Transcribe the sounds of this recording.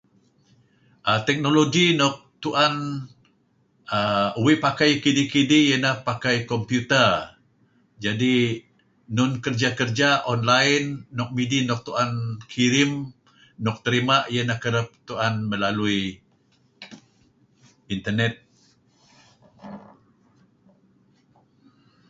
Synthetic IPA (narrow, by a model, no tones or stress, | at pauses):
ʔat̪ɛk̚noloɡinɔk̚t̪uʔan | əuwiʔpakajkidikidijənahpakajkɔmpjut̪ər | d͡ʒadi | nʊnkərd͡ʒakərd͡ʒaʔɔnlaɪnːɔk̚midinɔk̚t̪uʔankʰiɾɪmː | ɔk̚t̪əɾimaʔijənahkəɾəp̚t̪uanməlalui | int̪ərnɛt̪̚